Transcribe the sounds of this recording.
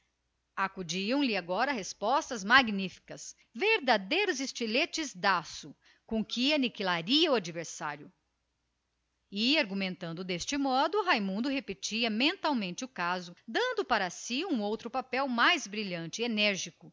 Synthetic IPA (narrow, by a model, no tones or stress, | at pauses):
akud͡ʒiɐ̃w̃lɪaɡɔɾɐɦespɔst̪ɐzmaɡnifi̥kɐs | veɾd̪ad̪ejɾʊzɪst͡ʃilet͡ʃɪzd̪asʊ | kõkʰɪanikilaɾiɐuad͡ʒiveɾsa̰ɾjʊ | ɪaɾɡumẽnt̪ɐ̃nd̪ʊd̪est͡ʃɪmɔd̪ʊɦajmũnd̪ʊɦepet͡ʃiɐmẽnt̪awmẽnt͡ʃɪʊkazʊd̪ɐ̃nd̪ʊpaɾɐsiũowt̪ɾʊpapɛwmajzbɾiʎɐ̃nt͡ʃɪenɛɾʒikʊ